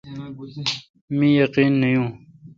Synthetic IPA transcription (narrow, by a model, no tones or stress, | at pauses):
mĩjɐqiːnːəjũː